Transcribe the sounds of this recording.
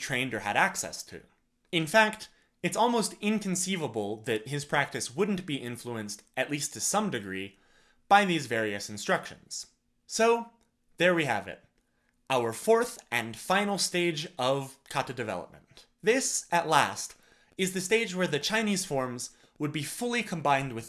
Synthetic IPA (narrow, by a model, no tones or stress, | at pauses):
tʰɹ̥ẽɪ̃ndə˞ɨ̰ɾæksɛ̰stʰʉ̰ | ɨ̃nfæk̚t | ɨtsɔlˠmoʊstɪ̃nkʰɨ̃n̩sivəbl̩ˠðɨt̚hɪz̥pʰɹ̥æk̚tɨswʊdⁿn̩b̥iʔɪ̃ɱfluɨ̃nstʔɨʔˡlistʰɨsʌ̃mdɨɡɹi | b̥aɪðizvɛɹiɨsn̩stɹ̥ʌkʃɨ̰̃nz̥ | soʊ | ðə˞wiɨ̰vɪ̰t̚ | ʔaʊə˞fɔɹθʔɨ̃nfãɪ̃nl̩ˠsteɪd͡ʒʌv̥kʰɑɾɨdɨvɛ̰lˠə̰p̚mə̃n | ðɪsʔɨʔˡlæ̰st | ɨzðɨsteɪd͡ʒwə˞ðɨt͡ʃʰãɪ̃niz̥fɔɹmz | wəd̚bifʊlˠikʰə̃mbãɪ̃nd̚wɨð